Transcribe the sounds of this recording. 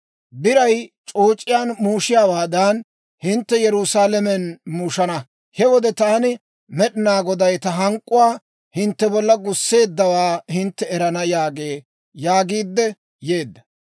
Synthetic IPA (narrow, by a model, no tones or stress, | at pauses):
bɪɾɐjt͡ʃʼoːt͡ʃʼːɪjaːnmuːʃɪjaːwaːd̪ɐn | hɪnt̪ːɛjɛɾʊsaːlɛmɛnmuːʃɐnɐ | hɛwɔd̪ɛt̪aːnɪ | mɛɗɪnaːɡɔd̪ɐjt̪ɐɦɐŋkʼːʊwaː | hɪnt̪ːɛbɔlːɐɡʊsːe̞ːd̪ːɐwaːhɪnt̪ːɛɛɾɐnɐjaːɡeː | jaːɡiːd̪ːɛ | jeːd̪ːɐ